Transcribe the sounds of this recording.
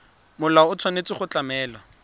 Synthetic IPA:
mʊlaʊt͡sʰanet͡sɪχʊt͡ɬamɛːla

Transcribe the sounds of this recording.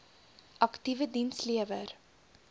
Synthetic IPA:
ʔɐktivədinsliəvər

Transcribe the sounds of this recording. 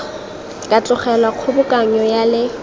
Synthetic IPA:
kʼat͡ɬʊχɛlwaq͡χʰʊbʊkʼaɲɔjalɪ

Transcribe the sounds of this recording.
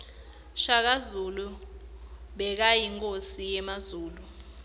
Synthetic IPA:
ʃak̬azulu | ɓɛk̬ajiŋkʼosijɛmazuːlu

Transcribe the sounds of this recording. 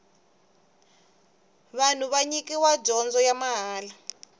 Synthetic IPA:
βan̤uβaɲikiwad͡ʒɔnd͡zɔjamaɦaːla

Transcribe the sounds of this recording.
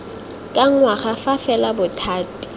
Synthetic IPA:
kʼaŋ̩waχafafɛlabʊtʰaːtʼi̥

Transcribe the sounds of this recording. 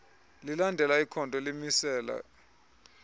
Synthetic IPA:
lilandʱɛlaikʰɔntʼɔlemisɛːla̰

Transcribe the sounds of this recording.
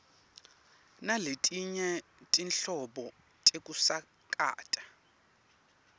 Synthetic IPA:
naletʼiɲɛtʼinɬɔɓɔ | tʼekʼusa | kʼa̰ːtʼḁ

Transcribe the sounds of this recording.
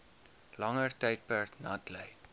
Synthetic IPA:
lɐŋərtɛjt̚pærnɐtləj

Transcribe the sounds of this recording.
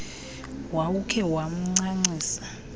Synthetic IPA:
waukʰɛwam̩ŋ͡ǀaŋ͡ǀiːsḁ

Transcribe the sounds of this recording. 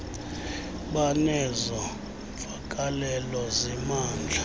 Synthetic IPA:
ɓanɛzɔ | ɱfakʼalɛlɔzɛmaːnd͡ɮʱa

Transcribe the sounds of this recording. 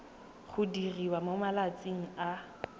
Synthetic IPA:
χʊdiriwamomalat͡sʼiŋ̩a

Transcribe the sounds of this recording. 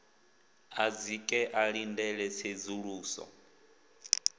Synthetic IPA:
ad͡zikʼɛʔaɺindɛɺɛsed͡zuɺuːsɔ̰

